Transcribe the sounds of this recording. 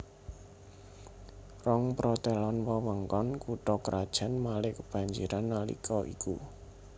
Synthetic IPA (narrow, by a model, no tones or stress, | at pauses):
rɔŋpɾɔt̪elɔnwɔwəŋkɔnkuʈɔkəɾʔad̥ʒ̥ä̤nmalɪkəb̥a̤ɲd͡ʒiɾanːalḭkʰɔʔḭku